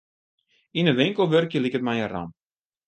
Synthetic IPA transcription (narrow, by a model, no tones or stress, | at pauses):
inəʋɪŋkəlˠʋørkjəlikətmajəra̰m